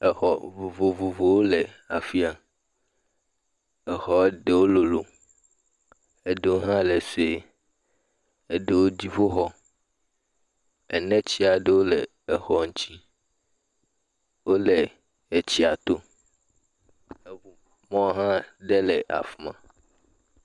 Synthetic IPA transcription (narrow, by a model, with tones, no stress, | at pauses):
ɛ˨xɔ˨vo˨vo˨vo˨vo˨wo˦le˨ | a˨fi˦a˨ | ɛ˨xɔ˨˦ɖe˨wo˦lo˨lo˨ | e˨ɖe˨wo˦ɦã˦le˨se˦ | e˨ɖe˨wo˦d͡ʑi˦fo˦ɦɔ˦ | ɛ˨nɛ̃˦t͡ɕi˦a˨ɖe˦wo˦le˨ | e˨xɔ˨ŋ̩˦t͡ɕi˦ | wo˦le˨ | e˨t͡ɕi˦a˨t̪o˦ | e˨vo˨mɔ̃˦wɦã˦ɖe˦le˨ʔa̰˨fmã̰˨